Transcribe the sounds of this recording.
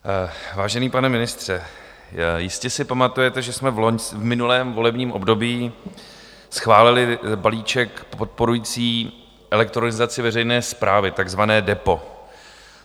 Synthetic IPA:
vaːʒɛniːpanɛmɪnɪst̪r̝̥ɛ | jɪscɛsɪpamat̪ujɛt̪ɛʒɛsmɛvloɲsvmɪnulɛːmvo̞lɛbɲiːmʔo̞bdo̞biː | sxvaːlɪlɪbaliːt͡ʃɛkpot̪̚po̞ɾujiːt͡siː | ʔɛlɛk̚t̪ɾonɪzat͡sɪvɛrɛjnɛːspɾaːvɪt̪aɡzvanɛːdɛpo̞

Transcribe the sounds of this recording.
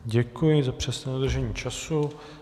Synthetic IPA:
ɟɛkujɪzapr̥ɛsɲɛːod̪r̩ʒɛɲiːt͡ʃasu

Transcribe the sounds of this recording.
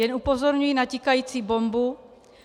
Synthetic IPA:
jɛnʔupo̞zo̞ɾɲujinacikajiːt͡siːbo̞mbu

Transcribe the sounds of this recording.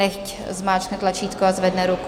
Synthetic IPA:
ɛxc | zmaːt͡ʃnɛt̪lat͡ʃiːt̪kɔazʋɛd̪nɛɾuk

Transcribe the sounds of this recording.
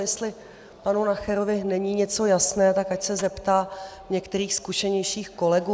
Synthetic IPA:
jɛst̪lɪ | panunaxɛɾovɪnɛɲiːɲɛt͡so̞jasnɛːt̪akacsɛzɛpt̪aː | ɲɛkt̪ɛɾiːxskuʃɛɲɛjʃiːxko̞lɛɡuː

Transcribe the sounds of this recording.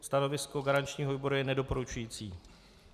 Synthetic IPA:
st̪ano̞vɪsko̞ɡaɾant͡ʃɲiːɦoviːbo̞ɾujɛnɛdo̞po̞ɾut͡ʃujiːt͡sḭː

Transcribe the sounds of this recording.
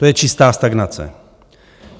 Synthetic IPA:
t̪ojɛt͡ʃist̪aːst̪aɡnasɛ̰

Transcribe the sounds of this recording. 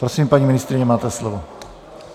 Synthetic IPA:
pɾosiːmpaɲimɪnɪst̪ɾɪɲɛmaːt̪ɛslovo

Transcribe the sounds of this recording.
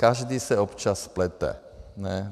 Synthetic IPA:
kaʒd̪iːsɛɔpt͡ʃasplɛt̪ɛ̰ | nɛ

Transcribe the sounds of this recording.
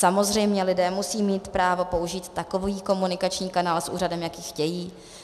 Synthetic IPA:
samo̞zr̝ɛjmɲɛlɪdɛːmusiːmiːt̪pɾaːvo̞pouʒiːt̪ːako̞viːko̞munɪkat͡ʃɲiːkanaːlsʔṵːradɛmjakiːxcɛjiː

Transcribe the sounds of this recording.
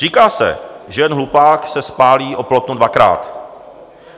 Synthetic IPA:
riːkaːsɛ̰ʒɛjɛnɦlupaːksɛspaːliːʔoplot̪nudvakɾa̰ːt̪

